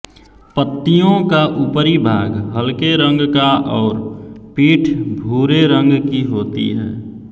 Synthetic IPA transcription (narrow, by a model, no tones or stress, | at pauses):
pət̪ːijõkaʔupəɾibʱaːɡɦəlkeɾə̃ŋɡkaʔɔːɾpiːʈʰbʱuːɾeɾə̃ŋɡkiɦoːt̪ḭɦɛ̰ː